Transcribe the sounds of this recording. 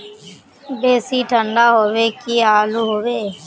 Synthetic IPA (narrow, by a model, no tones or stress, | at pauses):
beːsiːʈʰəɳɖaːɦoːʋeːkiːaːluːɦoːʋeː